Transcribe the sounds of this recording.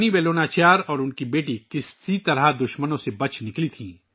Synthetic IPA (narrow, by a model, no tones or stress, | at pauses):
nibeːloːnaːt͡ʃaːɾɔːɾʊnkibeːʈikɪsit̪ɐɾad̪ʊʃmənõsebɐt͡ʃʰnɪklit̪ʰĩː